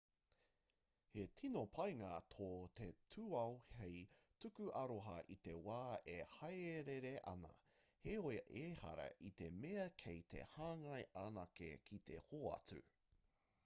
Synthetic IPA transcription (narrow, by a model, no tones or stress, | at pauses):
hetʰinopʰɐjŋat̪ʰoːt̪etʰuɐwhejtʉkʉʔɐɾoɦɐʔit̪e̞waːehɐjeɾeɾeʔɐ̰nɐ̰heojʔehɐ̰ɾɐ̰ʔit̪emeɐkʰejt̪ʰḛhaːŋɐjʔanakḛkʰit̪ʰe̞̰hoːɐ̰t͡sʉ̰